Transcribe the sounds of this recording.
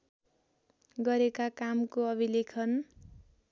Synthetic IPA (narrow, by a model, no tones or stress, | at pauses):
ɡʌɾekakamkoʌbʱilekʰʌn